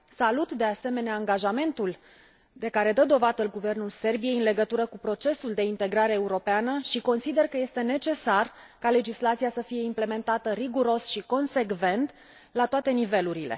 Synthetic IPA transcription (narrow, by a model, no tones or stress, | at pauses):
salut̪d̪e̞ase̞me̞neaːŋɡaʒame̞nt̪ul | d̪e̞kaɾe̞d̪əd̪o̞vad̪əlɡuve̞rnulse̞rbije̞jɨnle̞ɡət̪uɾəkupɾo̞t͡ʃe̞suld̪e̞int̪e̞ɡɾaɾeːuɾo̞peanəʃiko̞nsid̪e̞rkəje̞st̪e̞ne̞t͡ʃe̞sarkale̞d͡ʒislat̪siasəfije̞imple̞me̞nt̪at̪əriɡuɾo̞sʃiko̞nse̞kve̞nt̪ | lat̪oat̪e̞nive̞luɾile̞̰